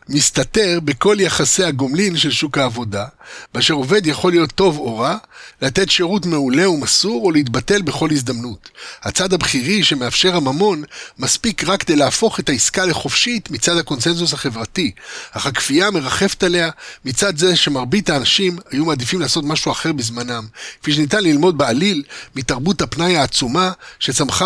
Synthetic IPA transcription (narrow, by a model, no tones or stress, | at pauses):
mist̪ate̞ʁbe̞ko̞ljaχase̞haɡo̞mlinʃe̞lʃukhaːvo̞dabeaʃe̞ʁo̞ve̞d̪jaχo̞lijo̞t̪ːo̞vo̞ʁalate̞tʃe̞ʁutme̞ule̞umasuʁoleit̪̬bate̞lbe̞χo̞lhizdamnuthat͡sad̪habχiʁiʃe̞meafʃe̞ʁhamamo̞nmaspikʁakːed̪ejlaːfo̞χe̞taiskaleχo̞fʃitmit͡sad̪hako̞nse̞nzus̬haχe̞vʁatiaχakfiame̞ʁaχe̞fetale̞amit͡sad̪ze̞ʃe̞maʁbitaːnaʃimhajumaːd̪ifimlaːso̞tmaʃuaχe̞ʁbizmanamke̥fiʃ̬enitanlilmo̞d̪̚bealilmitaʁbuthapnajaːt͡sumaʃe̞t͡samχa